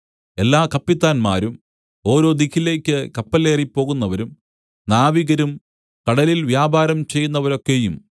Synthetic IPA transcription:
e̞lːaːkɐpːit̪ːaːnma̰ːɾum | o̞ːɾo̞ːd̪ikːile̞ːkʲːɨkɐpːɐle̞ːripːo̞ːɣunːɐʋɐɾum | naːʋiɣɐɾum | kɐɽɐlilʋjaːbaːɾɐmt͡ɕe̞jːunːɐʋɐɾo̞kːejum

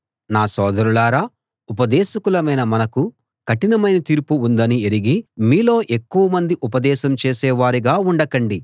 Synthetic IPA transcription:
naːsɔːd̪ɐɾulaːɾaː | upɐd̪ɛːʃɐkulɐmɐjnɐmɐnɐku | kɐʈinɐmɐjnɐt̪iːɾpuːnd̪ɐnieɾiɡimiːlo̞ːʔe̞kːuʋɐmɐnd̪iʔupɐd̪ɛːʃɐmt͡ʃeːsɛːʋaːɾiɡaːuɳɖɐkɐɳɖi

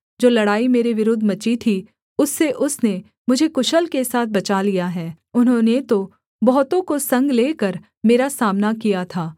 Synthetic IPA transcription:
d͡ʒoːlɐɽaːimeːɾeʋɪɾod̪ʱːmɐt͡ʃit̪ʰi | ʊsːeʔʊsne | mʊd͡ʒʱekʊʃəlkesaːt̪̚ʰbɐt͡ʃalijaɦɛː | ʊnɦõːnet̪o | bɔɦt̪õkosɐ̃ŋɡleːkəɾ | meːɾasaːmnakijat̪ʰaː

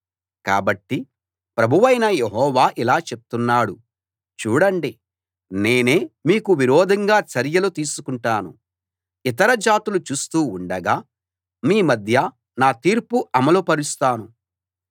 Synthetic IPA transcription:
ka̰ːbɐʈːi | pɾɐbʱuʋɐjnɐjeɦɔːʋaːʔilaːt͡ʃe̞p̚t̪unːaːɽu | t͡ʃuːɽɐɳɖi | ne̞ːneːmiːkuʋiɾɔːd̪ʱɐŋɡaːt͡ʃɐɾjɐlut̪iːsukuɳʈaːnṵ | it̪ɐɾɐd͡ʒaːt̪ulut͡ʃuːst̪uːɳɖɐɡaː | miːmɐd̪ʱjɐ | naːt̪iːɾpuʔɐmɐlupɐɾist̪aːnu

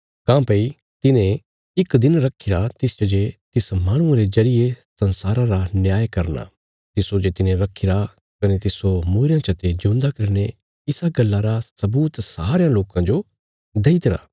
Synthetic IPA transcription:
kãːpɐi | t̪ɪnẽ | ɪkd̪ɪnɾɐkʰːɪɾat̪ɪst͡ʃod͡ʒet̪ɪsmaːɽ̃ʊ̃ãɾezɐɾɪjesɐnsaːɾãɾanjaːjkɐɾna̰ː | t̪ɪsod͡ʒet̪ɪnẽɾɐkʰɪɾa | kɐnet̪ɪsomuːɾɪjãt͡ʃʰɐt̪ed͡ʒʊ̃ːnd̪akɐɾne | ɪsaɡɐlːaɾasɐbuːt̪saːɾejãloːkãd͡ʒo | d̪ɐit̪ɾa̰ː

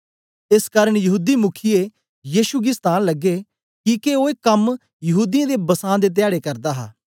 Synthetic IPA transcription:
ɪskaːɾəɽ̃jɐɦuːd̪imʊkʰije | jiːʃuɡist̪ãːnləɡe | kiːkeoːeːkəm | jɐɦuːd̪ijãːd̪eːbɐsãːd̪eːt̪̬ɪjaːɽeːkɐɾd̪aːɦa̰ː

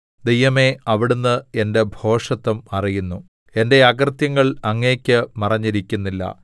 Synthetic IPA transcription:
d̪ejːɐme̞ɐʋiɽunːɨe̞nde̞bʱo̞ːʂɐt̪ːɐmɐrijunːu | e̞nde̞ɐɡrt̪jɐŋːɐɭɐŋːeːkʲːɨmɐrɐɲːiɾikʲːunːilːɐ̰

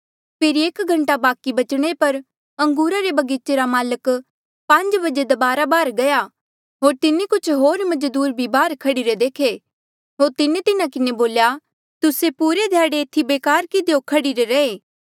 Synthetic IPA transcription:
pʰeːɾieːkɡʱɐ̃ɳʈabaːkibɐt͡ʃɽ̃epɐɾ | ɐ̃ŋɡuːɾaɾebɐɡiːt͡ʃːeɾamaːlək | pɐ̃ɲd͡ʒbɐd͡ʒed̪ɐbaːɾabaːɾɡɐja | ɦoːɾt̪ɪnikʊt͡ʃʰɦoːɾmɐd͡ʒd̪uːɾbʱibaːɾkʰɐɽiɾed̪eːkʰe | ɦoːɾt̪ɪnet̪ɪnakɪneboːlja | t̪ʊsepuːɾed̪ʱjaːɽeːt̪ʰibeːkaːɾkɪd̪ejokʰɐɽiɾeɾɐeː

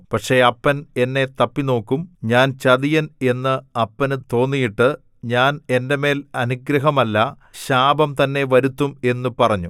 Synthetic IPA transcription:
pɐʈʂe̞ɐpːɐne̞nːe̞t̪ɐpːino̞ːkːumɲaːnt͡ɕɐðijɐne̞nːɨɐpːɐnt̪o̞ːnːijiʈːɨ | ɲaːne̞nde̞me̞ːlɐnuɡɾɐɦɐmɐlːɐ | ɕaːbɐmt̪ɐnːe̞ʋɐɾut̪ːume̞nːupɐrɐɲːu

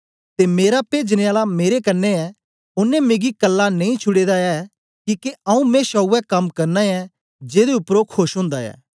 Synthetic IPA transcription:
t̪emeːɾapeːd͡ʒneaːlameːɾekɐnːeɛ | ʊnːɛ̃meːɡikɐlːanẽĩt͡ʃʰʊɽeːd̪aɛ | kikeɐ̃ũmẽʃɔuːɛkɐmkɐɾnaɛ | d͡ʒeːd̪eʊpːɾoːkʰːoʃɦõːnd̪aɛ̰ː

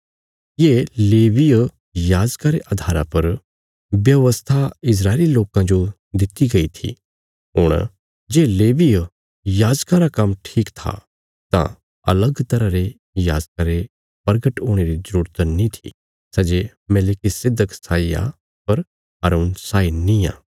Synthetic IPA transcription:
jeleːʋi | jaːd͡ʒkaɾeʔɐd̪ʱaːɾa̰pɐɾ | ʋjɐʋəst̪ʰaɪs̬ɾaːɪliloːkãd͡ʒo | d̪ɪt̪iɡɐit̪ʰḭ | ɦʊɽ̃ | d͡ʒeːleːʋij | jaːd͡ʒkaɾakɐmʈʰiːkt̪ʰa̰ | t̪ã̰ | ɐ̰ləɡt̪ɐɾaɾe | ja̰ːd͡ʒkaɾe | pɐɾɡəʈoːɽ̃eɾizəɾuːɾt̪nĩt̪ʰḭ | sɐd͡ʒe | mɛlɪkisɪd̪ʱːəksaːija̰ | pɐɾ | ɦa̰ːɾuːnsaːinːĩjã̰ː

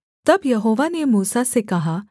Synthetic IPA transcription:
t̪ɐbjɐɦoʋanemuːsasekɐɦa

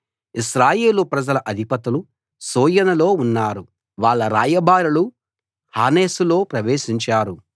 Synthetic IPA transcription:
iʃɾaːje̞ːlupɾɐd͡ʒɐlɐʔɐd̪ʱipɐt̪ulu | soːjɐnɐlo̞ːunːaːɾu | ʋaːɭːɐɾa̰ːjɐbʱaːɾɐlu | haːne̞ːsulo̞ːpɾɐʋeːʃiɲt͡ʃaːɾu

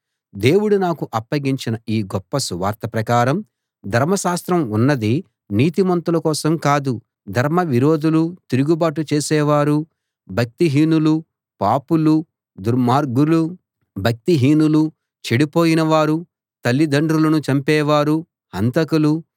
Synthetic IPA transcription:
d̪e̞ːwuɽunaːkuʔɐpːɐɡiɲt͡ʃinɐiːɡɔpːɐsuʋa̰ːɾt̪ɐpɾɐkaːɾɐm | d̪ʱɐɾmɐʃaːst̪ɾɐmunːɐd̪i | niːt̪imɐnt̪ulɐkɔːsɐmkaːd̪u | d̪ʱɐɾmɐʋiɾoːd̪ulut̪iɾuɡubaːʈut͡ʃeːsɛːʋaːɾu | bʱɐk̚t̪iɦiːnulu | paːpulu | d̪uɾmaːɾɡuɾlu | bʱɐk̚t̪iɦiːnulu | t͡ʃeɽipoːjinɐʋaːɾu | t̪ɐlːid̪ɐɳɖɾulɐnut͡ʃɐmpɛːʋaːɾu | hɐnt̪ɐkulu

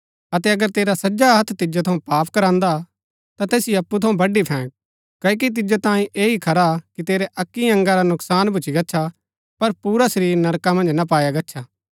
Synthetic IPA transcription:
ɐt̪ɛɐɡəɾt̪eːɾasɐd͡ʒaɦɐt̪ʰːt̪ɪd͡ʒot̪ʰɐũpaːpʰkɐɾãːnd̪a | t̪at̪eːsijɐpːut̪ʰɐũbɐɖipʰɛ̃ːk̚ | kɐːk̬it̪̬ɪd͡ʒot̪ãːĩʔeːɦikʰɐɾakit̪eːɾeʔɐkːiɐ̃ŋɡaɾanʊksaːnbʊt͡ʃiɡɐtːʃʰa | pɐɾpuːɾasɐɾiːɾnɐɾkamɐ̃nd͡ʒnap̬aːjaɡɐtːʃʰaː

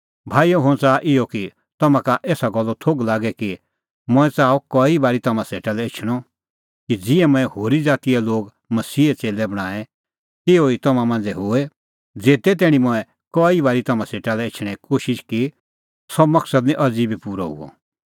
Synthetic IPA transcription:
bʱaːijoɦʊ̃t͡saːʔɪɔki | t̪ɐmãkaʔeːsaɡɔlːɔt̪ʰoɡlaːɡɛki | mʊ̃ɛ̃t͡saːɔkɔːibaːɾit̪ɐmãseːʈalɛɪt͡ʃʰɽ̃ɔ | kid͡zɪɛmʊ̃ɛ̃hoːɾid͡zaːt̪iɛloːɡ | mɐsiːɛt͡seːlɛbɐɽ̃ãːɛ̃ | t̪ɪoit̪ɐmãmãːnd͡zɛɦʊɛ | d͡zeːt̪ɛt̪ɛːɽ̃ĩmʊ̃ɛ̃ | kɔːibaːɾit̪ɐmãseːʈalɛɪt͡ʃʰɽ̃ɛ̃koːʃɪʃki | sɔmɐksəd̪nĩʔɐd͡ziːbipuːɾɔ̰ɦṵɔ̰

